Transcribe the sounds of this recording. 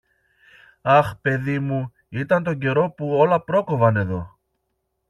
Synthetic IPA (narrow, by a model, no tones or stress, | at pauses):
ɐxpe̞ðimu | it̪ɐnt̪o̞ɟe̞ɾo̞puo̞lɐpɾo̞ko̞vɐne̞ðo̞